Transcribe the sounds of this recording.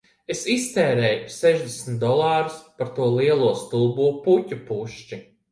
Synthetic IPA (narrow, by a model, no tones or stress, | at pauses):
esist̪ɛːɾɛːjsɛʒd̪esnt̪̚d̪ɔlˠɑːɾuspaɾt̪uɔlˠiɛlˠuɔst̪ulˠbuɔputʲupuʃt͡ʃi